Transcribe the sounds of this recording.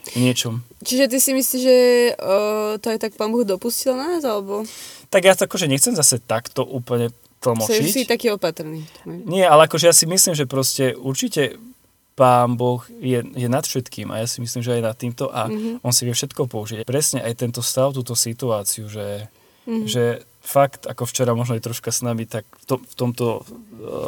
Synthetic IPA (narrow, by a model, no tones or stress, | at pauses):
ɲɪɛt͡ʃɔmt͡ʃiʒɛt̪̬isimisliʒɛ | t̪ɔajt̪ak̚paːnbɔɣd̪ɔpuscilnaaːzalɛbɔt̪aɡjaakɔʒɛɲɛxt͡sɛmzasɛt̪akt̪ɔʔuːpl̩ɲɛ | t̪l̩mɔt͡ʃist̪akiːɔpat̪r̩niːft̪ɔmɛɲɪɛalɛakɔʒɛjasimislimʒɛpɾɔscɛuɾt͡ʃicɛ | paːnbɔxjɛjɛnat̪fʃɛt̪kiːma̰jasimislimʒɛajnat̪ːiːmt̪ɔʔaʔɔnsiʋɪɛfʃɛt̪kɔpɔuʒiɟapɾɛsɲɛʔajt̪ɛnt̪ɔst̪aʊt̪uːt̪ɔsit̪uaːt͡siuʒɛ | ʒɛ | fakt̪akɔft͡ʃɛɾamɔʒnɔjɛt̪ɾɔʃkasnamit̪akft̪ɔmft̪ɔmt̪ɔ